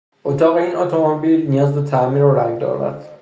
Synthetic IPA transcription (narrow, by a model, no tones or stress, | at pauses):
ʔot̪ʰɒːɣeiːnʔɒt̪ʰomobilnijɒːzd̪ot̪ʰæmiːɾoɾæŋɡd̪ɒ̰ːɾmæ̰d̪̥